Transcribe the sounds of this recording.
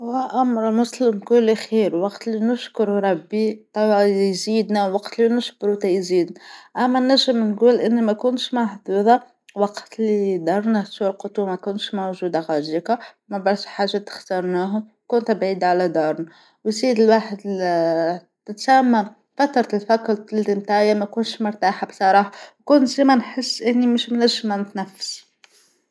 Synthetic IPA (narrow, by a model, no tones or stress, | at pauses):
wæʔamɾmʊslɪmɡulːixiːɾwɑqt̪linʊʃkʊɾɾˤɑbːit̪ˤɑwiziːd̪næwɑqt̪linʊʃkʊɾut̪ɑjziːd̪næʔæmːænæʒːəmnɡuːlʔɪnːmækʊnʃmaħd̪uːd̪ɑ | wɑqt̪lid̪ɑɾˤnæsulqʊt̪ˤumækʊnʃmawʒuːd̪aɣɑʒika | mæbɑɾˤʃħaːʒːat̪ə̥xt̪ɑɾˤnæɦʊm | kʊnt̪bʕiːd̪aʕalæd̪ɑɾˤn | wziːd̪əlwaːħəd̪ | t̪ɪt̪sæmːæm | fæt̪ɾˤɑlfækɾt̪ld̪əmt̪ajamækʊnʃmʊɾt̪aːħabsˤɑɾˤɑːħawkʊnt̪zimænħəsːʔɪnːimʊʃmnæʒːəmæmt̪næfːs